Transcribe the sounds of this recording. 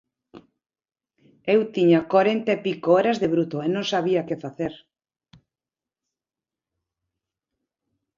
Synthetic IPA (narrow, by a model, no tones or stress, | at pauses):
ewt̪iɲakaɾent̪aepikooɾazðeβɾut̪oenõŋsaβ̞iakefaθeɾ